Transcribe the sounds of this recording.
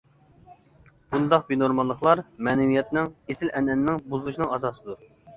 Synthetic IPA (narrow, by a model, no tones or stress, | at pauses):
b̥und̪ɑq̚binoɾmɑlˠːəχlˠɑɾmɛːnɪwijɛt̪nɪŋesɪlʔɛnɛnnɪŋbuzɨlˠuʃinɨŋɑzɑːsɨd̪u